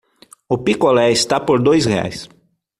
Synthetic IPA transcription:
ʊpikolɛɪst̪apoɾd̪ojshea̰js

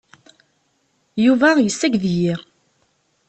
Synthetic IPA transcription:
juvæjəsːæɡðji

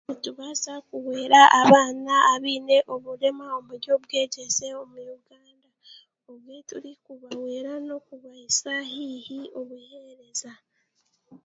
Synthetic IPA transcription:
utuβasakuwe̞ːɾaʔaβaːnaːβiːne̞ʔo̞βuɾe̞mao̞muɾjo̞βwe̞ːɟese̞o̞mujuɡaːnda | o̞βwetuɾikuβawe̞ːɾano̞kuβaisaɦiːhiʔo̞βuheɾe̞za

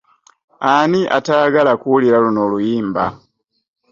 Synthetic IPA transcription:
aniʔa̰taːɡalakuwuliɾalunoːlujiːmba̰

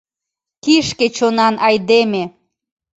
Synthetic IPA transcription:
kiʃket͡ɕonɑnʔɑjd̪eme

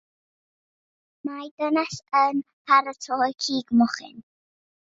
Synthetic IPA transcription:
majdənasən | pʰaɾətʰɔjkʰiːɡmɔχɪ̰n

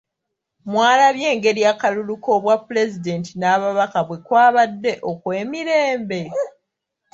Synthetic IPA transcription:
mwaːlaβje̞ːŋɡe̞ɾiakaluluko̞βwapːule̞zide̞ntinaːβaβakaβwe̞kwaːβadːe̞ʔo̞kwe̞ːmiɾe̞ːmbe̞

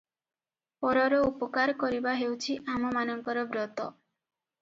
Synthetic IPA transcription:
pɔɾɔɾɔupɔkaɾkɔɾibaɦewt͡ʃʰiʔamɔmanɔŋkɔɾɔbɾɔt̪ɔ

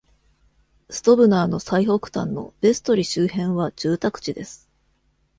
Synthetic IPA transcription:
sɨ̥t̪o̞bɯ̟naːno̞saiho̞kɯ̟̥t̪ã̰nːo̞̰be̞sɨ̥t̪o̞ɾʲiɕɨːhẽ̞ɰ̃βad͡ʑ̥ɨːt̪akɯ̟̥t͡ɕid̪e̞sɨ̥

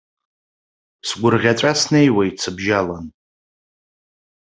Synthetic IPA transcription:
sɡʷʊrʁʲat͡sʷʼasnejwait͡sʰɨbʒalan

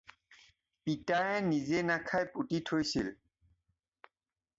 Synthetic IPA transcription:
pitajɛnizenakʰajputitʰojsḭl

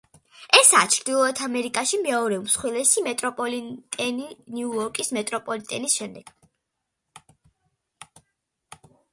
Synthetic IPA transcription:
ɛsat͡ʃʰɾd̪ilˠɔɛt̪ʰamɛɾikʼaʃimɛɔɾɛumsχwilɛsimɛt̪ʼɾɔpʼɔlit̪ʼɛniniuɔɾkʼismɛt̪ʼɾɔpʼɔlit̪ʼɛnisʃɛmd̪ɛɡ̥

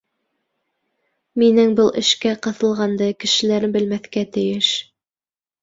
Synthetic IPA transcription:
minɘŋbɤlˠʔɘ̰̆ʃkæqɤ̆θɤ̆lˠʁɑnd̪ɤkɘ̆ʃɘ̆læɾɘmbɘ̆lmæθkæt̪ɘ̆jɘʃ

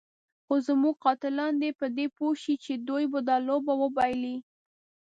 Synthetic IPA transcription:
xozmuɡ̚qɑt̪ɪlɑnd̪epəd̪epoʃit͡ʃed̪ojbəd̪ɑlobawəbɑjli

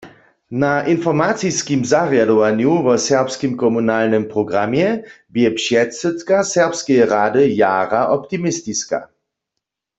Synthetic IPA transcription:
naʔinfɔʁmat͡siskimzaʁjadɔvanjuvɔsɛʁpskimkɔmunalnɨmpʁɔɡʁamjɛbjɛpʃjɛtsɛt̪kasɛʁpskɛjɛʁaːdɨjaːʁaʔɔpt̪imɪst̪iska̰

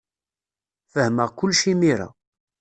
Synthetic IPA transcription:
fəhməʁkʷʊlːʃimiɾa̰

